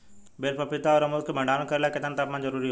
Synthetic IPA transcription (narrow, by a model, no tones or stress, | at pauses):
beːlpɐpɪt̪aɔɾɐməzkʰebʱɐ̃ɳɖaːñkɐɾelaket̪ənt̪aːpmãnzɐɾuːɾiɦo